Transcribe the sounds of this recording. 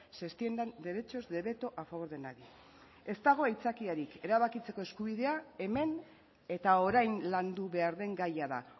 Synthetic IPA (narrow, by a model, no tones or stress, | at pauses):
sest̪iend̪and̪e̞ɾe̞t͡ʃo̞zd̪e̞βe̞t̪o̞ʔafaβo̞ɾðe̞naɾi | e̞st̪aɣ̞o̞ajt͡sakiaɾike̞ɾaβakit͡se̞ko̞eskuβiðe̞ae̞me̞n | e̞t̪ao̞ɾajnland̪uβe̞aɾðe̞ŋɡajaða̰